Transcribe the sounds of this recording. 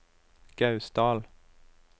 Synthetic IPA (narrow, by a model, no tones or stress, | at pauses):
ɡ̥ɑʉsd̪ɑːl